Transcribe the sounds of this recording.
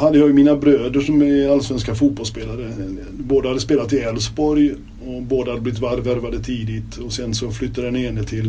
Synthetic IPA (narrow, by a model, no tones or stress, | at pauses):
had̪ːəjɑːjmiːnabɾøːd̪əʂɔmɛalːasvɛnskafuːt̪̚bɔlspeːlaɾə | boːd̪əhad̪əspeːlat̪ːɪɛlsbɔɾj | ɔboːd̪əhad̪əblɪɪt̪vaɾvæɾvad̪ət̪ʰiːd̪ɪt̪ɔsɛnsɔflʏt̪ʰːad̪ɛneːnət̪ʰɪl